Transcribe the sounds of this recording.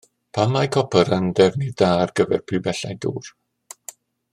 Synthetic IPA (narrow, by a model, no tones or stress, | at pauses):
pʰamːajkʰɔpʰəɾəndɛvnidaːrɡəvɛ̰rpʰrɪbɛɬajdṵːr